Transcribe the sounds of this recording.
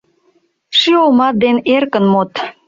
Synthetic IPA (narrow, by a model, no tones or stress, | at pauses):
ʃyomɑt̪̚d̪enerkə̆nmot̪